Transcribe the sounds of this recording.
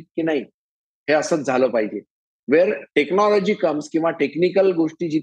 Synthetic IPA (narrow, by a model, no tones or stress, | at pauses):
t̪̚kiːnaɦi | ɦeəsəːt͡sd͡zʱaləpaɦid͡ʑe | ʋeɾʈeknɔlɔd͡ʑiːkəmskĩw̃ʋaʈeknikəlɡoʂʈiːd͡ʑi